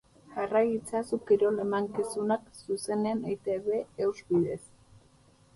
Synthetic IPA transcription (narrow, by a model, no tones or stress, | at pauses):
ʝarajit͡sasukiɾo̞le̞maŋkisunaksuse̞neanejt̪eβeːwzβiðe̞s